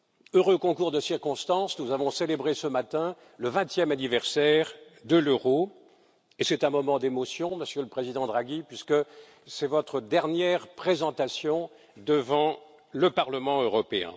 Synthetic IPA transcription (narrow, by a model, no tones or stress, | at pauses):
øʁøkɔ̃kuʁd̪əsiʁkɔ̃st̪ɑ̃snuzavɔ̃selebʁesəmat̪ɛ̃ | ləvɛ̃t̪jɛmanivɛʁsɛʁd̪əløʁo | esɛt̪ɛ̃mɔmɑ̃d̪emɔsjɔ̃məsjøləpχezid̪ɑ̃d̪ʁaɡipɥiskə | sɛvɔt̪χəd̪ɛʁnjɛʁpχezɑ̃t̪asjɔ̃ | d̪əvɑ̃ | ləpaʁləmɑ̃øʁɔpeɛ̰̃